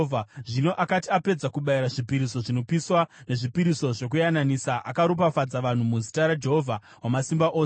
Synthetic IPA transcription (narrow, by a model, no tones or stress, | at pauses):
ʐino̞ʔakatiape̞d͡zakuɓaiɾaʐipiɾiso̞ʐino̞piswane̞ʐipiɾiso̞ʐo̞k̬ujananisaʔakaɾup̬afad͡zaʋan̤umuzi̥taɾad͡ʒe̞ɦovʱa | wamasimbaʔoː